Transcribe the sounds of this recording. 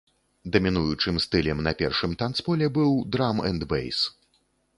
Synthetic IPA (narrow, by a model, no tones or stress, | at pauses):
d̪ɐmʲinujut͡ʂɨmst̪ɨlʲɛmnɐpʲɛrʂɨmt̪ant̪spɔlʲɛbɨwd̪ɾamɛ̰nd̪bɛ̰js